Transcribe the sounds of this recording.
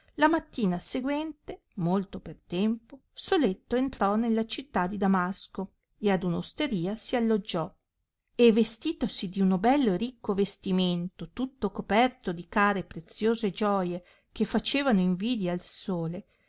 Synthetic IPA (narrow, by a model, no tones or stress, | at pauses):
lamat̪ːiːnaseɡwɛnt̪e | molt̪opert̪ɛmpo | solet̪ːoent̪ɾɔnelːat͡ʃit̪ːad̪id̪amasko | ead̪unost̪eɾiːasialːod͡ʒːɔ | evːest̪iːt̪osid̪iunobɛlːoerikːovest̪iment̪ot̪ut̪ːokopɛrt̪od̪ikaːɾepɾet̪sːjoːzed͡ʒɔːje | kefːat͡ʃeːvanoiɱviːd̪jalsoːle